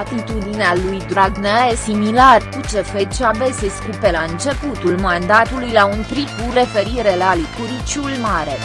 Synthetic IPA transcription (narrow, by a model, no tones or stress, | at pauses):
at̪it̪ud̪inealujd̪ɾaɡnəesimilarkut͡ʃe̞fet͡ʃabeseskupelaɨnt͡ʃe̞put̪ulmand̪at̪ulujlaunp̪ɾikure̞fe̞ɾiɾe̞lalikuɾit͡ʃulmaɾe̞